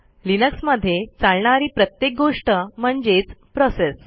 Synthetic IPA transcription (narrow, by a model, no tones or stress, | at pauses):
linəksməd̪ʱːjet͡saɭɳaɾiːpɾət̪jek̚ɡoʂʈəm̤əɳd͡ʑet͡spɾɔses